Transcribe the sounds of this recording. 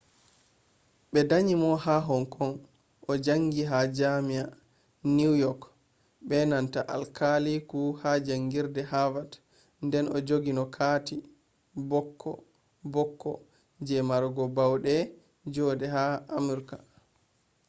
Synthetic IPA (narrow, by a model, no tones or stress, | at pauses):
ɓɛdaɲimɔhaɦɔŋkʰɔn | ʔɔd͡ʒaŋɡiɦad͡ʒamia | niwjɔk | ɓɛnantaʔalkalikuhad͡ʒaŋɡiɾdɛhavat | ndɛnɔd͡ʒoɡinɔkʰati | bɔkʰːɔ̰ | bɔkːɔ̰ | d͡ʒɛmaɾɡɔbawɗɛ | d͡ʒɔdɛɦaamuɾka